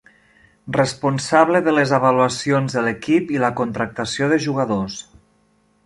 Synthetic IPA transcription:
rəspunsaβləðələzəβaluasionzðəlekipiləkont̪ɾak̚t̪əsioðəʒuɣaðos

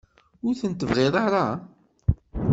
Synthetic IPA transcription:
ʊɾθənt̪əvʁɪðˤɑɾˤɑ

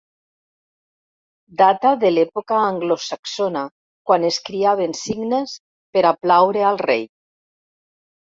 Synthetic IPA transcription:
d̪at̪aðelɛpokaːŋɡlosaksona | kwaneskɾiaβ̞ensiɡnes | peɾaplawɾealˠrḛj

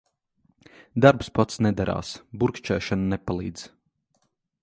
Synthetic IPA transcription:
d̪aɾpspɔt̪snɛd̪aɾa̰ːsbuɾkt͡ʃɛːʃananɛpalˠiːd̪z̥

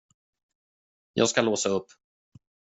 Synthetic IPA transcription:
jʔɑ̰ɡskaloːsaɵpː

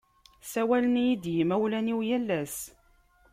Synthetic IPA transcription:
sæwælənjid̪jimæwlæniwjælːæs

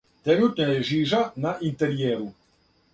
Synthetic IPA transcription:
t̪enut̪neleʒiːʒanaʔint̪eɾjeːɾu

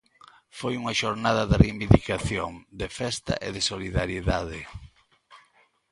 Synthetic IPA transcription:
fojuŋɐʃoɾnað̞ɐðɪrimbind̪ikaθjoŋd̪efɛst̪a̰ʔḛðɪsoliðaɾjeðað̞ɪ

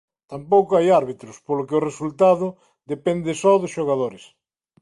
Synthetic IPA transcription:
t̪ampowkoajaɾβit̪ɾʊspolʊkɪʊresult̪aðʊ | d̪epɛnd̪ɪsɔðʊsʃoɣaðoɾɪs

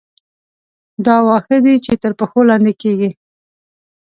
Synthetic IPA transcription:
d̪ɑwɑxəd̪it͡ʃet̪əɾpəxolɑnd̪ekeɡi

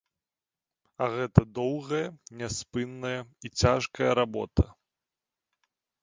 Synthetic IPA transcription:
ɐɣɛt̪ɐd̪ɔwɣɐjɐnʲaspɨnːɐjɐit͡sʲaʂkɐjɐɾabɔ̰t̪ɐ

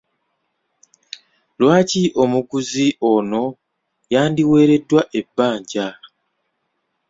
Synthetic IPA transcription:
lwaːciʔo̞mukuziʔo̞no̞ | jaːndiwe̞ːɾe̞dwaʔe̞bːaːɲɟa

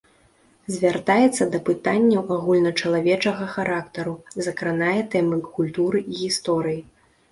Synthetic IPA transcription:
zʲvʲart̪ajɛt̪sːɐd̪ɐpɨt̪anʲːɐwʔaɣulʲnɐt͡ʂɐlˠavʲɛt͡ʂɐɣɐxaɾakt̪ɐɾuzɐkɾanajɛt̪ɛmɨkulʲt̪uɾɨʔiɣʲist̪ɔɾɨji

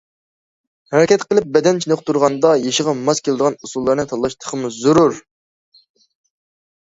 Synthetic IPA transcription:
hɛɾɛkʲʰɛt̪qəlˠɪp̚bɛd̪ɛnt͡ʃʰinoqt̪uɾʁɑnd̪ɑjeʃəʁɑmɑzkʲʰelˠɪd̪əʁɑnusulˠːɑɾnɨt̪ʰɑlˠːɑʃt̪ʰə̥qʰəmuzuɾuɾ

